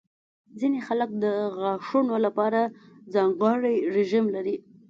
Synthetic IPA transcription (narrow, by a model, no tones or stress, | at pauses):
zinexalək̚d̪əɣɑʂunolapɑɾazɑŋɡɑɽijɾeʒimlaɾi